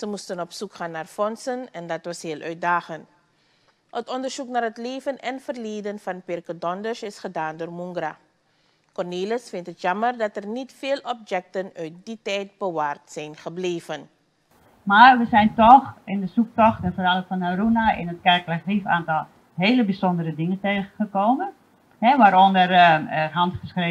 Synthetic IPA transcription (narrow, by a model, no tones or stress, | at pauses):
səmustənɔpsukχaːnːaːrfɔnsənɛndɑtʋɑsheəlˠʔœɥt̚daːχənt | ʔɔtɔndərsuknaːrɦətleːvənɛnfərleːdənfɑnpɪrkədɔndərsɪsχədaːndoːrmuŋɡra | kɔrneːləsfɪntɦətjɑmərdɑtərnitfeːlˠɔp̚jɛk̚tənœɥt̚ditɛjt̚bəʋaːrtsɛjnχəbleːvən | marʋəsɛjntɔxɪndəsuk̚tɔxtɛnfoɾalˠəfɔnaɾunaʔɪ̰nət̚kɛrklaxrifaːntɔlˠ | ɦeːləbisondəɾədɪŋənteːχəχəkoːmən | hɛʋaːɾondərɦɑntχəskreː